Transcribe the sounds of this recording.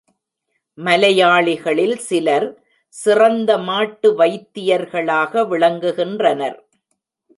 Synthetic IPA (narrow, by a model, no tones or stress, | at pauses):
mɐlɐjaːɭɪɣɐɭɪlsɪlɐɾ | sɪrɐnd̪ɐmaːʈːɯʋɐɪt̪ːɪjɐɾɣɐɭaːɣɐʋɪɭɐŋɡɯɣɪndrɐnɐɾ